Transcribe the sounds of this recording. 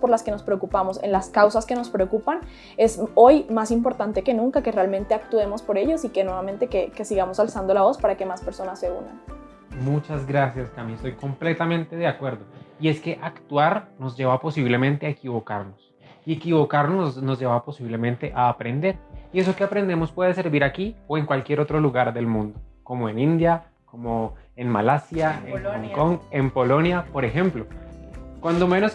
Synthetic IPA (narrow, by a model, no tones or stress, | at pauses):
po̞ɾlaske̞no̞spɾe̞okupamo̞sḛnlaskawsaske̞no̞spɾe̞okupan | e̞so̞jmasimpo̞ɾt̪ant̪e̞kenũŋkakere̞almẽ̞nt̪e̞akt̪ue̞mo̞spo̞ɾe̞ʝo̞sike̞nwe̞βament̪e̞keke̞siɣamo̞salsand̪o̞laβo̞spaɾake̞maspe̞ɾso̞nasːe̞ṵna̰n | mut͡ʃazɡɾasjaskamiest̪ojko̞mple̞t̪amẽ̞nt̪e̞ðeakwe̞ɾd̪o̞ie̞ske̞ʔakt̪uaɾno̞zd͡ʒe̞βapo̞siβle̞mẽnt̪e̞aekiβo̞kaɾno̞s | ie̞kiβo̞kaɾnono̞zd͡ʒe̞βapo̞siβle̞mẽnt̪e̞ʔaːpɾe̞nd̪e̞ɾie̞s̬o̞keapɾe̞nd̪e̞mo̞spwe̞ð̞e̞se̞ɾbiɾakioe̞ŋkwalkje̞ɾo̞t̪ɾo̞luɣaɾd̪e̞lmũnd̪oko̞moenĩnd̪ja | komo | enmalasjaeŋoŋkoŋe̞mpo̞lo̞njapo̞ɾexe̞mplo̞kwand̪o̞menos